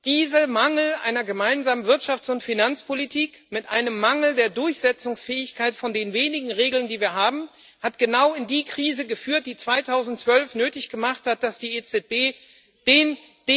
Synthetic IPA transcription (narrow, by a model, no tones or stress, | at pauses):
d̥iːzɐmaŋl̩ʔa̰ɪnɐɡəmaɪnzaːmənvɪɐtʃaft͡sʊntfinant͡spʰolitʰiːk | mɪtʔaɪnəmːaŋl̩deːɐdʊɐçz̥ɛt͡sʊŋsfɛːɪçkʰaɪtfɔndeːnveːnɪɡŋ̩ʁeːɡl̩ndiːviːɐɦaːbm̩ | hatɡ̥ənaʊɪndiːkʁ̥iːzəɡəfyːɐt̚d̥iːt͡sv̥aɪtʰaʊzn̩tt͡sv̥œlfnøːtɪçɡ̥əmaχthat̚d̥asd̥iːet͡sɛt̚b̥eː | d̥eːn | d̥e